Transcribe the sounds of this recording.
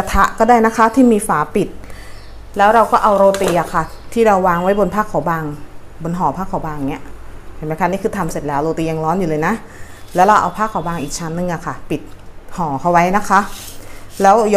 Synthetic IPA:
a˧t̪ʰa˦˥ʔkɔː˥˩daː˥˩jna˦˥kʰa˦˥t̪ʰiː˥˩miː˧faː˩˦pi˨˩t̪̚ | lɛː˦˥wɾa˧wkɔː˥˩ʔa˧wɾoː˧t̪iː˧ʔa˨˩kʰa˥˩t̪ʰiː˥˩ɾa˧wːaː˧ŋwa˦˥jbo˧npʰaː˥˩kʰːɔː˨˦wbaː˧ŋ | bo˧nɦɔː˨˩˦pʰaː˥˩kʰːaː˨˩˦baː˧ŋni˦˥ɐʔpʰe˨˩nma˧˦kʰa˧˥˩niː˥˩kʰɯː˧t̪ʰa˧mse˨˩t̪̚lɛː˩˦wɾoː˧t̪iː˧ja˧ŋlɔː˦˥njuː˨˩ɤː˧jna˦˥ʔ | lɛː˦˥wɾa˧wʔa̰˧wpʰaː˥˩kʰːa˨˩˦wbaː˧ŋʔiː˨˩k̚t͡ɕʰa˧˦˥nːɯ˨˩˨ŋʔa˨˩kʰa˧˥˩pi˨˩t̪̚hɔː˨˩˦kʰa˧˩wa˦˥jna˦˥kʰa˦˥ʔ | lɛː˦˥wjɔ˧

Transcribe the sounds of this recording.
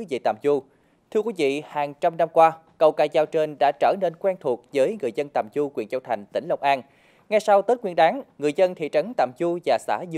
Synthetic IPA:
vḭ˧˨t̪a̰ː˧˨mzu˧ | t̪ʰɨ˧əkwi˨˦vḭ˧˨haː˨˩ŋt͡ɕa˧mna˧mkwaː˧kə˧˩wkaː˧˩jzaː˧˩wt͡ɕe˧nɗa̰ː˧˥t͡ɕəː˧˩ne˧nkwɛ˧nt̪ʰu˨˩ək̚zəː˨˦jŋɨ˨˩əjzə˧nt̪a̰ː˨˩mzu˧kwḭ˨˧˩ənzə˧wt̪ʰa˨˩jŋ̟t̪ï˧˩ŋ̟lə˧wŋ͡mʔaː˧n | ŋa˧jsa˧wt̪əː˦˥t̚ŋwi˧ənɗaː˨˦ŋŋɨ˨˩əjzə˧nt̪ʰḭ˧˨t͡ɕə˨˦nt̪a̰ː˧˨mzu˧vaː˨˩sa̰ː˧˥z

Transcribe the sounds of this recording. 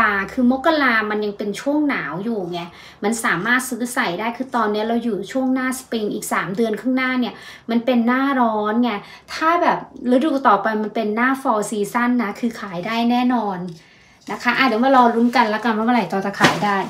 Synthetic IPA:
aː˨˩kʰɯː˧mo˦˥kːa˧laː˧ma˧nja˧ŋpe˧nt͡ɕʰu˥˩əŋnaː˩˦wjuː˨˩ŋi˧˥˩ɐ | ma˧nsaː˩˦maː˥˩t̪̚sɯː˦˥sa˨˩jdaː˥˩jkʰɯː˧t̪ɔː˧nːi˦˥ɐɾa˧wjuː˨˩t͡ɕʰu˥˩əŋnaː˥˩spi˧ŋʔiː˨˩k̚saː˩˦mdɯ˧ənkʰɯː˥˩˨ŋnaː˥˩ni˥˩ɐma˧npe˧nːaː˥˩ɾɔː˦˥nŋa˧˩ | t̪ʰaː˥˩bɛː˨˩p̚ɾa˦˥du˨˩t̪ɔː˨˩pa˧jma˧npe˧nːaː˥˩fɔː˧siː˧sa˥˩nːa˦˥kʰɯː˧kʰaː˩˦jdaː˥˩jnɛː˥˩nɔː˧n | na˦˥kʰa˦˥ʔa˧˩d̪ɯː˩˦ŋwaː˥˩ɾɔː˧ɾu˦˥mka˧nlɛː˦˥ka˧nma˧maː˧˥˩ɾa˨˩jt̪ɔː˧˩t̪a˨˧˩kʰaː˨˩˦jdaː˥˩j

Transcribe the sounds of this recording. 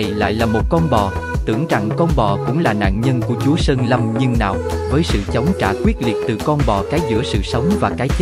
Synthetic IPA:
jla̰ː˧˨jlaː˨˩mo˨˩t̚kɔ˧nɓɔ˨˩ | t̪ɨ˧˩əŋt͡ɕa̰˧˨ŋkɔ˧nɓɔ˨˩kʊ̰˧˥ŋ͡mlaː˨˩na̰ː˧˨nɲə˧nku˧˩ət͡ɕu˨˦əsəː˧nlə˨˧˩mɲɨ˧ŋna̰ː˧˨wʔvəː˨˦jsɨ̰˧˨t͡ɕə˨˦wŋ͡mkaː˧˩kwi˦˥ət̚li˨˩t̚t̪ɨ˨˩kɔ˧nɓɔ˨˩kaː˨˦jzɨ̰˧˥əsɨ̰˧˨sə˨˦wŋ͡mvaː˨˩kaː˨˦jt͡ɕə˦

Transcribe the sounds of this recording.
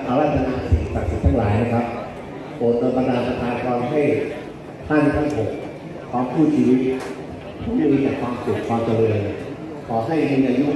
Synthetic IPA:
ʔa˧wɾa˦˥t̪̚sa˧na̰˧˥ʔsi˨˩˦sa˨˩k̚si˨˩t̪ʰa˥˩ŋlaː˩˦jna˦˥kʰɾa˦˥p̚ | poː˨˩t̪̚ːo˧npa˧t̪aː˧mpa˧t̪ʰaː˧nkʰɔː˧mɦa˥˩j | t̪ʰaː˥˩i˥˩kʰaː˥˩ŋkʰo˨˩k̚ | kʰwaː˧mkʰuː˥˩t̪̚t͡ɕʰiː˧wi˦˥t̪̚ | pʰuː˥˩lɯː˧t͡ɕaː˨˩kʰwaː˧msu˨˩k̚kʰwaː˧mt͡ɕa˧lɤ˧n | kʰɔː˩˦ɦa˥˩jmiː˧na˧ju˦˥

